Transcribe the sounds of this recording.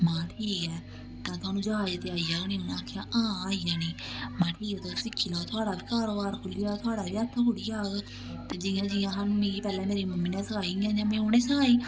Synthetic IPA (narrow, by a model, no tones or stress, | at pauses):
mãːʈʰiːkɛː | t̪ãːt̪ʊaːnũːd͡ʒəɦaːd͡ʒt̪eaːijaːonĩːonaːkʰjaːʔãːaːijaːniːmãːʈʰiːkːt̪osɪkʰːiːlaot̪ʰʊaːɽaːbiːkaːɾoːbaːɾkʰʊliːaːt̪ʰʊaːɽaːbiːət̪ʰːkʊɽiːaːɡ | t̪eːd͡ʒɪjãːd͡ʒɪjãːɦanmĩːiːpɛːlɛːmeːɾiːməmːiːnɛ̃ːsəkaːiãːd͡ʒãːmɛ̃ːonẽːsəkʰaːiː